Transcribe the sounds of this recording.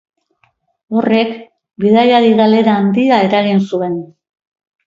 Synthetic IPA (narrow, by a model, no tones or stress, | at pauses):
o̞re̞k | biðajaɾiɣale̞ɾaːnd̪iae̞ɾaɣinsue̞n